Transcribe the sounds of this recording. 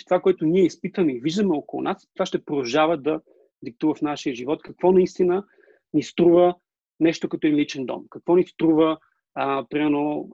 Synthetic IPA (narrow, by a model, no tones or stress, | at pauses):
t̪ovakoɛt̪ʊnʲiɛispit̪vəmɛiviʒd̪əmɛokolˠṵnast̪ovaʃt̪ɛpɾod̪ɐʒavəd̪ɐ | d̪ik̚t̪uvəfnaʃiəʒivɔt̪kɐkvɔnɐist̪inə | nist̪ɾuvə | nɛʃt̪okɐt̪ɔɛnlit͡ʃɛnd̪ɔ̰mkɐkvɔnist̪ɾuvə | pɾimɛɾno